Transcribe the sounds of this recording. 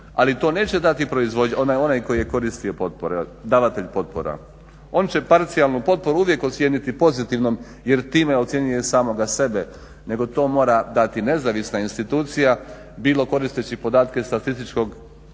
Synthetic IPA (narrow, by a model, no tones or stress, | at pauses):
a̰lit̪o̞ːne̞ːt͡ɕe̞d̪at̪ipɾo̞izʋo̞d̪ɲonajo̞najko̞jije̞ko̞ɾist̪io̞po̞t̪̚poɾed̪aʋat̪eʎʲpo̞t̪̚po̞̰ɾa̰ | o̞ːnt͡ɕe̞paɾt̪sialˠnupo̞t̪̚po̞ɾuuʋje̞kot̪sje̞nit̪ipo̞zit̪iʋno̞m | je̞ɾt̪iːmeot̪sjeɲujesaːmo̞ɡase̞be | ne̞ɡo̞t̪o̞ːmo̞ːɾad̪at̪ine̞zaːʋisnainst̪it̪uːt̪sija | biːlo̞ko̞ɾist̪et͡ɕipo̞d̪aːt̪ke̞st̪at̪ist̪it͡ʃko̞ɡ